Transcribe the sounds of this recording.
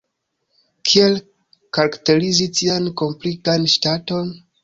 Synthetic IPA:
kʰiel | kaɾakte̞ɾizitianko̞mplikanʃtato̞n

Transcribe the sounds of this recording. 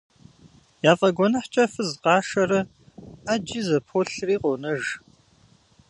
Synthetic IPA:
jaːfʼɐɡʷɔnɐħt͡ʃʼɐfɨzqɑːʃɐɾɐ | ad͡ʒizɐpʰoɬriːqʷʼɔnɐʒ

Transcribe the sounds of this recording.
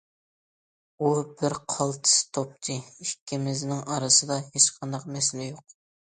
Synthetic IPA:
ubɪɾqʰɑlˠt̪ʰɨ̥st̪ʰop̚t̪ʰɨikʲːimɪznɪŋɑɾɨsɨd̪ɑhet͡ʃqʰɑnd̪ɑqmɛslɪjoq̚

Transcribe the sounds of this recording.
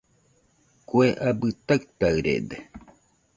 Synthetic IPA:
kʷeʔabɨt̪akt̪aɨɾḛd̪e

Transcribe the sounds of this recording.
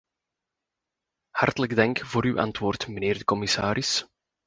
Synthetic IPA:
hɑrtələɡdɑŋkvoːɾywʔɑ̰ntʋoːrtməneːrdəkɔmɪsaːɾɪs

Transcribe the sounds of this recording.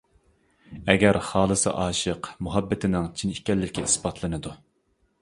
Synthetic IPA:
ɛɡʲɛɾχɑːlˠɨsɨ̰ʔɑːʃəqmuɦɛbːɪt̪ʰɪnɪŋt͡ʃʰinikʲɛlːɪkʲɛisbɑt̪ʰlˠɨnɨd̪u

